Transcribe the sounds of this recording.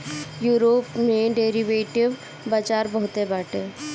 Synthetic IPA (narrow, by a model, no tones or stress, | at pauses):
juːɾoːpmẽɖeːɾiʋeːʈɪʋ | bad͡ʒaːɾbəɦʊt̪ebaːʈeː